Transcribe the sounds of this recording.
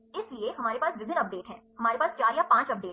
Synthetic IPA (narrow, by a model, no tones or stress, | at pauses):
ɪslieɦɐmaːɾepaːsbɪzɪnɐp̚ɖeːʈɦɛ̃ːɦɐmaːɾepaːst͡ʃaːɾjapãːt͡ʃɐp̚ɖeː